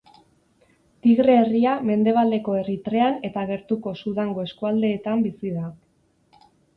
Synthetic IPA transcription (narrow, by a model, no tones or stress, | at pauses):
t̪iɣɾe̞ːriame̞nd̪e̞β̞ald̪e̞ko̞e̞rit̪ɾe̞ane̞t̪aɣ̞e̞ɾt̪uko̞suðaŋɡo̞e̞skuald̪e̞ːt̪ambisiða